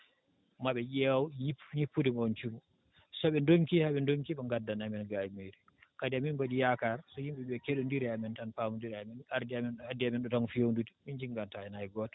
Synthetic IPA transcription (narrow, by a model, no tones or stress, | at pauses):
maɓɛjɛwwjipːɲipːudimɔnt͡ʃumu | sɔɓɛndoŋkihaɓɛndoŋkiɓɛŋɡadːanamɛnɡajimeɾi | kadiaminbaɗijakaɾsɔjimɓɛɗuɛkeɗundiɾɛamɛntanpaːmundiɾɛamɛnaɾdiamɛnadiamɛnɗɔtɔnfijownduti̥mind͡ʒiŋɡantaɛnajɛɡɔt